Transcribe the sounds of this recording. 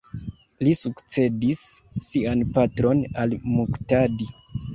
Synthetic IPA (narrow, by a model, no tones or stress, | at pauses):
lisukt͡se̞disːianpatɾo̞nalmuktadi